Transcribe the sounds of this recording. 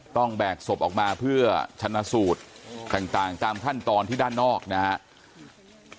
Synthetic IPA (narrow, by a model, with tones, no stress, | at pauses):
t̪ɔ˥˩ŋbɛː˨˩k̚so˨˩p̚ʔɔː˨˩k̚maː˧pʰɯ˥˩ɐt͡ɕʰa˧nːa˧˥suː˨˩t̪̚ːaː˨˩ŋt̪aː˨˩ŋt̪aː˧mkʰa˥˩nt̪ɔː˧nt̪ʰiː˥˩aː˥˩nːɔː˥˩k̚na˦˥